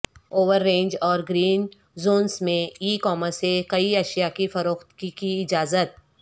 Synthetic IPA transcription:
oːʋəɾːẽːnd͡ʒɔːɾɡɾiːn | zoːnsmẽiːkɔːməsekɐiɐʃjakifɐɾoːxt̪kikiɪd͡ʒaːzət̪̚

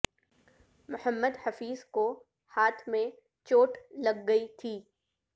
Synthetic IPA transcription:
mʊhəmːəd̪hɐfiːzko | haːt̪ʰmẽ | t͡ʃoːʈlɐɡːɐit̪ʰiː

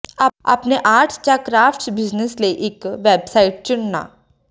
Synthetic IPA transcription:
aa̰ːpneʔaːɾʈʰt͡ʃaːkɾaːpʰʈsbɪznəsləiʔɪkʋɛːbsaːiʈ̚t͡ʃʊɳna̰ː

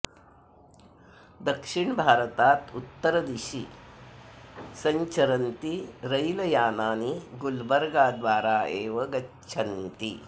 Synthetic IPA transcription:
d̪ɐkʂiɳbʱaːɾɐt̪aːt̪ut̪ːɐɾɐd̪iʃḭ | sɐɲt͡ʃɐɾɐnt̪iɾɐjlɐjaːnaːniɡulbɐɾɡaːd̪ʋaːɾaːeːʋɐɡɐ | t͡ʃʰɐnt̪i

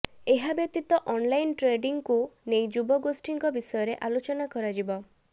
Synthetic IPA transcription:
eɦabjɔt̪it̪ɔʔɔnlajnʈɾeɖiŋkunejd͡ʒubɔɡosʈiŋkɔbisɔjɔɾeʔalot͡ʃɔnakɔɾad͡ʒibɔ

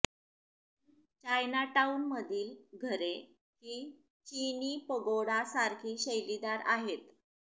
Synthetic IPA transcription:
t͡ɕajnaʈaunməd̪ʱiːlɡʱəɾe | hiː | t͡ɕiniːpəɡoɽasaɾkʰiːɕəjlid̪aɾaɦet̪

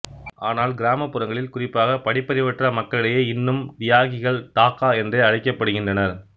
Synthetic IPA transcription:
ʔaːnaːlɡɪɾaːmɐpːɯɾɐŋɡɐɭɪlkʊrɪpːaːɣɐpɐɽɪpːɐɾɪʋɐʈrɐmɐkːɐɭɪɽɐjeːɪnːɯmʋɪjaːɣɪɣɐɭʈaːkaːɛndreːɐɻɐɪkːɐpːɐɽɯɣɪndrɐnɐɾ

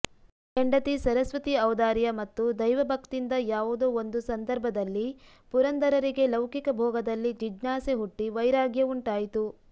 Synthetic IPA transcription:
eɳɖɐt̪isɐɾɐsʋɐt̪iɐʋd̪aːɾjɐmɐt̪ːud̪ɐjʋɐbʱɐkt̪ind̪ɐjaːʋud̪uond̪usɐnd̪ɐɾbʱɐd̪ɐlːi | puɾɐnd̪ɐɾɐɾiɡe̞lɐwkikɐbʱɔːɡɐd̪ɐlːid͡ʒid͡ʒnaːseɦuʈːiʋɐjɾaːɡjɐuɳʈaːjit̪u

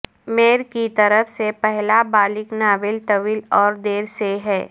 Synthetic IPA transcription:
meːɾkit̪əɾəfsepɛɦlabaːlɪknaːʋɪlt̪ɐʋiːlɔːɾd̪eːɾseɦɛː

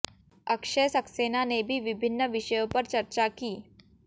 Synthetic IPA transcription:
əkʂesəksenanebʱiːʋibʱɪnːəʋɪʂəjopəɾt͡ɕəɾt͡ɕakiː

